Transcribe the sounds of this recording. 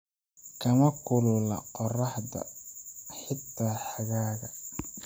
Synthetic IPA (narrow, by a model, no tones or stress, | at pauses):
kʰɐmɐkʰʊlʊlɐ̰qɔrɑħdɐ̰ | ħɪt̪ʰːaːħɑɣaːɣɐ